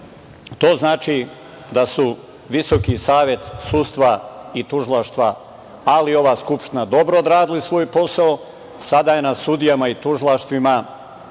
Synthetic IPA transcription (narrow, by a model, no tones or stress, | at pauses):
t̪o̞ːznaːt͡ʃi | d̪asu | ʋisokisaːʋjet̪sust̪ʋait̪uʒilˠaʃt̪ʋa | alio̞ʋaːskupʃt̪inad̪o̞bɾood̪ɾaːd̪ilisʋo̞ːjpo̞sao | sad̪aːje̞nasud̪ijamait̪uʒilˠaʃt̪ʋima